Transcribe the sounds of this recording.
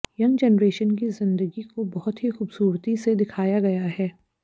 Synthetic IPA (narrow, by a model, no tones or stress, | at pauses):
jɐ̃ŋɡd͡ʒɛnɾeːʃənkizɪ̃nd̪əɡikobɐɦʊt̪ɦixuːbsuːɾt̪ised̪ɪkʰaːjaɡɐjaɦɛː